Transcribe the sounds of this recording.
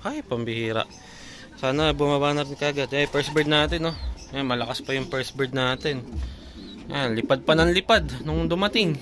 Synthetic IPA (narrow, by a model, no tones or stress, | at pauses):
hajpɐmbɪhiːɾɐ̰ʔ | saːnɐbʊmabaːnɐɾɪnkɐɐɡɐd̪̚ɐjpɛɹsbɛd̪naːt̪ɪnːo̞amɐlɐkaspɐjʊŋpɛɹsbɛɹd̪̚naːt̪ɛn | janlɪpad̪̚pɐnɐŋlɪpad̪nʊŋd̪ʊmɐt̪ɪŋ